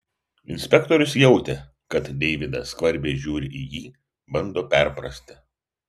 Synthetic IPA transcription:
ɪ̰nʲsʲpʲɛkt̪ɔɾʲʊsjɛʊt̪ʲe | kɐt̪d̪ʲɛɪʋʲɪd̪ɐskʋɐɾʲbʲeɪʒʲuːɾʲɪʔijiː | bɐnd̪oːpʲɛˑɾpɾɐsʲt̪ʲɪ

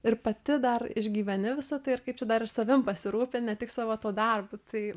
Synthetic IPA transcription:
ɪrpɐt̪ʲɪd̪ɐrɪʒʲɡʲiːʋʲɛnʲɪʋʲɪsɐt̪ɐɪɪrkɐɪp̚t͡ʃʲɛd̪ɐɾɪsɐʋʲɪmpɐsʲɪɾuːpʲeːnʲɛt̪ʲɪksɑʋot̪oːd̪ɐrbut̪ɐɪ

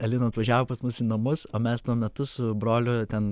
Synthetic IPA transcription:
ɛlʲɪnoːɐt̪ʋɐʒʲæːʋoːpɐsmʊsiːnɐmʊsoːmʲɛst̪uɔmʲɛt̪ʊsʊbɾoːlʲʊt̪ʲɛn

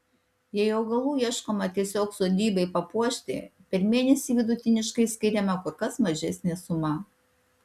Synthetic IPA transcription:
jɛɪɐʊɡɐlˠuːiɛʃkoːmɐt̪ʲiɛsʲoːksoːd̪ʲiːbɐɪpɐpuɔʃʲt̪ʲɪ̰pʲɛɾmʲeːnʲɛsʲiːʋʲɪd̪ʊt̪ʲɪnʲɪʃkɐɪsʲkʲɪɾʲɛmɐkʊɾkɐsmɐʒʲɛsʲnʲɛsʊmɑ

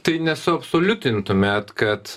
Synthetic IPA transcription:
t̪ɐɪnʲɛsʊɐpsoːlʲʊt̪ʲɪnt̪ʊmʲɛt̪kɐt̪

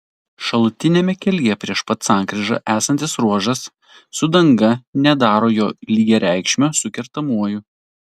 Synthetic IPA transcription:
ʃɐlˠʊt̪ʲɪnʲeːmʲɛkʲɛlʲjɛpʲɾʲiɛʃpɐt̪sɑˑŋkɾʲɪʒɐ̰ʔæːsɐnt̪ʲɪsɾuɔʒɐsː | ʊd̪ɐŋɡɐnʲɛd̪ɑːɾoːjoːlʲiːɡʲɛɾʲæˑɪkʃʲmʲosʊkʲɛɾt̪ɐmuɔjʊ

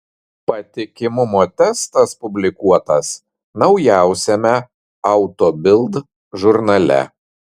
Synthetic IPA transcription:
pɐt̪ʲɪkʲɪmʊmoːt̪ʲɛst̪ɐspʊbʲlʲɪkuɔt̪ɐs | nɐʊjæˑʊsʲɛmʲɛ | ɐʊt̪oːbʲɪlˠd̪ | ʒʊɾnɐlʲɛ̰

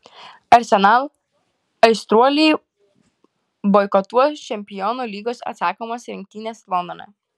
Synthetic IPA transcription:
ɐɾʲsʲɛnaːlˠ | ɐɪst̪ɾuɔlʲiː | bɔjkɔt̪uɔt͡ʃʲɛmʲpʲɪjɔnuːlʲiːɡoːsɐ̰t̪sɑːkomɐsɾʲɪŋʲk̚t̪ʲiːnʲeːslˠɔnonʲɛ̰

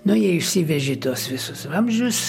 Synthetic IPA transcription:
nʊjɛɪʃʲsʲiʋʲɛʒʲɪt̪uɔsʋʲɪsʊsɑmʲʒʲʊs

